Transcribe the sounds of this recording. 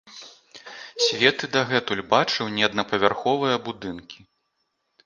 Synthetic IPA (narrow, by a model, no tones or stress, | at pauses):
sʲvʲɛt̪ɨd̪ɐɣɛt̪ulʲbat͡ʂɨwnʲɛɐd̪nɐpɐvʲarxɔvɨjɐbud̪ɨnkʲi